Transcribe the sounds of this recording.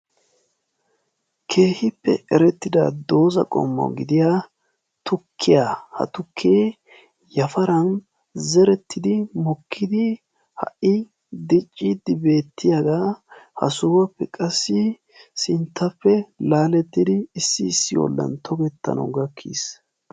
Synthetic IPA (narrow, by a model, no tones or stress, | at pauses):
kʰe̞ːhɪpːɛ̰ɛɾɛt̪ːɪd̪ad̪o̞ːzɐ̰kʼɔ̰mːɔ̰wɡɪd̪ɪja | t̪ʰʊkʰːɪjahɐ̰t̪ʊkʰːeː | jɐfɐɾɐn | zɛɾɛt̪ːɪd̪ɪmɔkʰːɪd̪ɪ | hɐ̰ʔɪ | d̪ɪt͡ʃʼːid̪ɪbe̞ːt̪ːɪjaɡahɐ̰suːwɐpːɛkʼɐsːɪ | sɪnt̪ːɐpːɛlaːlɛt̪ːɪd̪ɪːsːɪːsːɪwɔ̰lːɐ̰nt̪ʰɔɡɛt̪ːɐ̰nɐ̰ɡɐkʰːḭs